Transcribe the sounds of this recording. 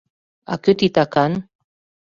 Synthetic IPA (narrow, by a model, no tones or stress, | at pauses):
a̰køt̪it̪akan